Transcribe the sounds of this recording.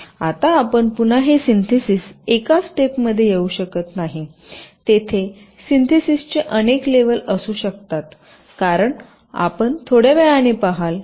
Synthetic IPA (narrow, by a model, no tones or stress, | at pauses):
at̪aːpəɳpun̤aɦesint̪ʰisisekasʈ̪epməd̪ʱːjejeuɕəkət̪naɦi | t̪et̪ʰe | sint̪ʰisist͡ɕeʔənekleʋələsuːɕəkt̪at̪ | kaɾəɳ | a̰pəɳt̪ʰoɽjeʋɛjañipaɦal